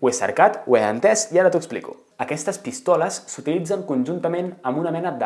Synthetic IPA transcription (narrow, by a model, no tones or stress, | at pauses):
wesə̰ɾkat̪weə̰nt̪ɛsiaɾət̪uəksplḭkṵ | əkɛst̪əspist̪ɔləsːut̪ilid͡zəŋkunʒunt̪əmenəmbunəmɛnəd̪